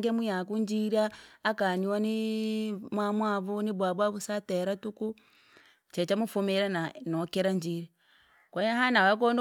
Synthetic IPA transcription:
ŋɡemujakuɲd͡ʒiɾaːkaniwani | mwamwaβuniβwaβwaβusateɾatuku | t͡ʃet͡ʃamufumeɾananokeɾaɲd͡ʒiɾe | kwajaɦanawak̬on

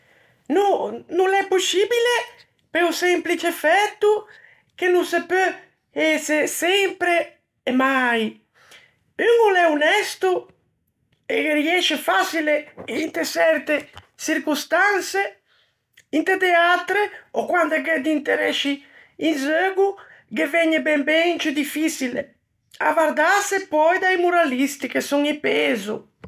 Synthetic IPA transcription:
nununɛpːosibile | peusɛmplit͡ʃefɛt̪ːu | k̟enũnsepø | ɛsesɛmpɾeː | maj | yŋulɛunɛst̪u | ḛkeriɛʃefasileint̪esɛɾt̪e | t͡ʃiɾkust̪anse | int̪ed̪eat̪ɾeokwand̪ɛked̪int̪eɾɛ̰ʃi | inzøɡuɡevɛɲːebɛmbɛt͡ʃid̪ifisilḛ | a̰vaɾd̪asepɔjd̪ajmuɾalist̪ikesɔŋipezṵ

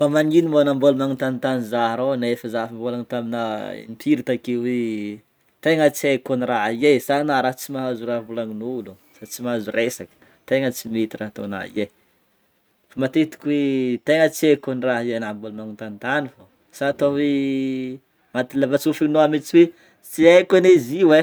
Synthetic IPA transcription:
famaŋinimonambolumaŋunt̪anit̪anizaɦɾonaefəzafimbolaŋit̪aminəḭmpʰiɾit̪akiwe | t̪eŋət͡siekoniraɦesanaɾaɦt͡simaɦazuɾavulaŋinulu | sat͡simaazuresakə̥ | t̪eŋət͡simit̪iɾat̪o̰na̰ḭje | famat̪et̪i̥kʲwet̪eŋət͡siekoniraɦijenambulanaŋint̪ant̪anifo | saːt̪owe | mat̪ilavat͡sufinoamit͡siwe | t͡siekaneziwe

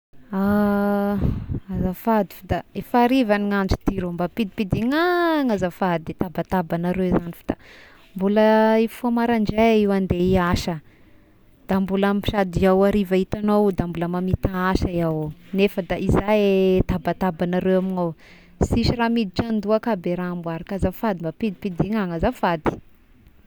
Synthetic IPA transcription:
a | azafad̪i̥fd̪aefaɾivaniŋand͡ʒi̥t̪iɾombapid̪ipid̪iŋaŋazafad̪id̪et̪abat̪abanaɾewzanifḁd̪̥a | mbuləifamaɾaɳd͡ʒaiwand̪eiaʃə | d̪̥ambulamipi̥ʃad̪iawaɾivait̪anowd̪ambuləmamit̪aaʃaiawnefəd̪aʔizajet̪abat̪abanaɾewaminow | siʃiɾamid̪it͡ʃand̪uakabeɾambwaɾakazafad̪imbapid̪ipid̪iŋaŋəzafad̪i̥

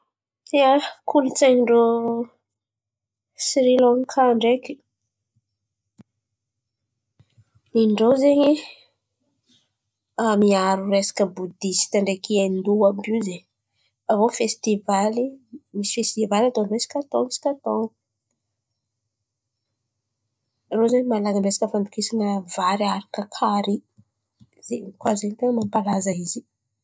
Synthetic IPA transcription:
iakʰult͡seɲiɳɖ͡ʐo | sɾilɔŋkʰaɳɖ͡ʐeki̥ | niɳɖ͡ʐozeɲi | amiaɾuɾesḁkəbud̪isi̥t̪aɳɖ͡ʐekiend̪uambizeɲ | avofest̪ivalimisi̥fest̪ivalat̪onwesi̥kat̪oŋisi̥kat̪oŋi | rozeɲimalaɡəmbesḁkəfand̪ukisanəvaɾiaɾakəkʰaɾi | zekwazeɲt̪eŋəmampalazaizi

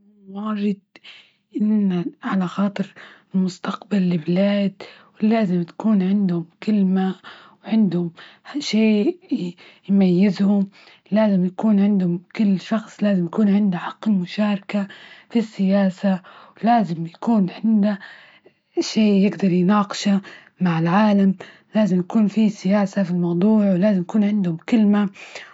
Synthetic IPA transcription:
wɑːɾˤɪd̪̚ | ʔɪnːaʕalaxɑːt̪ˤɨɾɪlmʊst̪ɑqbalːɪblaːd̪wlaːzɪmt̪ḁkuːnʕɪnd̪hʊmkɪlma | wʕɪnd̪hʊmʃeː | jmajːɪzhʊm | laːzɪmjakuːnʕɪnd̪hʊmkɪlːʃɑxsˤlaːzɪmjakuːnʕɪnd̪aħɑqːɪmʊʃaːɾˤɑkafisːɪjaːsawlaːzɪmjakuːnʕɪnd̪a | ʃeːjɪɡd̪ɑɾˤjnɑːqɨ̥ʃa | maʕɪlʕaːlam | laːzɪmjakuːnfisɪjaːsafilmɑwd̪ˤuːʕwlaːzɪmjakuːnʕɪnd̪hʊmkɪlma

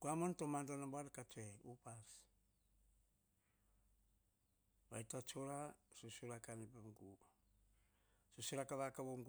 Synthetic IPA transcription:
kuamontomantanaboaɾekat͡ʃeupas | βa̰jtat͡ʃoɾasosoɾakanipeŋɡu | sosoɾakaβakaβoŋɡ

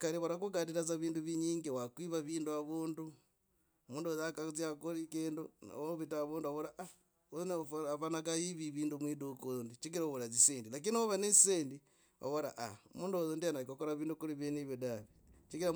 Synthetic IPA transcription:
kaɾiβaɾakuɡatiɾat͡s̬aβiːnduβiɲiːŋɡewakwiβaβiːnduaβuːndu | muːndozakat͡siakoɾikenduna̰βoβitaβuːnduaβoɾaʔa | ozneafanak̬ajiβiβiːndumwiːdukondit͡ʃikiɾaβoɾaziseːndilak̬inioβanesiseːndi | a̰βoɾa̰ʔaomuːndozondianaɾikokoɾaβiːndukuɾiβeniβjodaβit͡ʃikiɾa

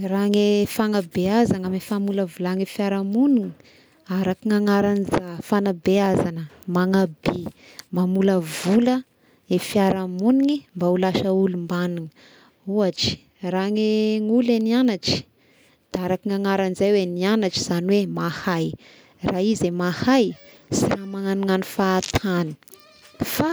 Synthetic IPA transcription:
raŋefaŋabeazanamefamuləvulaŋefiaɾamuniŋi | aɾakiŋaŋaɾanizafanabeazanəmaŋabe | mamuləvulə | efiaɾamuniŋimbaulaʃəulumbanuŋə̥ | uaʈ͡ʂi̥ | raŋeŋulenianaʈ͡ʂi̥ | d̪̥aaɾakiŋaŋaɾanizajwenianaʈ͡ʂi̥z̥aniwemahaj | rʔaːizemahaj | siramaŋanuŋanifaːt̪ʰani̥ | fa

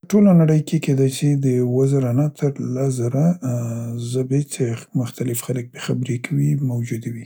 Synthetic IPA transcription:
əʈolanaɽəjkeked̪ajt͡ʃid̪əwazaɾanat̪ʰəɾlazaɾa | zabet͡ʃemʊxt̪alɪfxalək̚bexabɾekawimawd͡ʒud̪awi

